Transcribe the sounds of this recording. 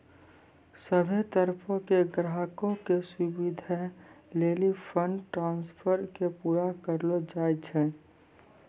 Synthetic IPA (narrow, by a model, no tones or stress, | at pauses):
səbʱet̪əɾpʰõkeɡɾaɦkõkesubid̪ʱa | leːlipʰəɳɖʈɾãːnspʰəɾkepuːɾakəɾlod͡ʒaːjt͡ʃʰɛ̃